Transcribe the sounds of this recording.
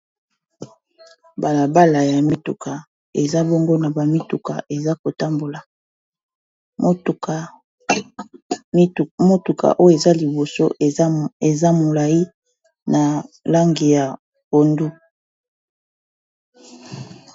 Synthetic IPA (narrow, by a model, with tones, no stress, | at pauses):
ba˨la˨ba˦la˨ja˨mi˦tu˨kʰa˨ | e˨za˦bo˦ŋɡo˦na˨ba˨mi˦tu˨ka̰˨ʔe˨za˦ko˨ta˦mbo˨la˨˦˨ | a˨˦˨ | mo˦tu˨kʰa̰˨ʔo˦jo˦e˨za˦li˨bo˨so̰˦ | e˨za˦mo˨la˨i˦ | na˨la˦ŋɡi˨ja˨ | ko˨ndu˦